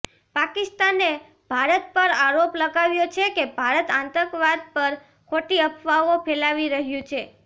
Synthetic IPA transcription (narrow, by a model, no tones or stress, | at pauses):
pakɪst̪ane | bʱaɾət̪̚pəɾaɾopləɡaʋjot͡ʃʰekebʱaɾət̪ant̪əɾkʋad̪̚pəɾ | kʰoʈiəpʰʋaʋopʰelaʋiɾəɦjũt͡ʃʰe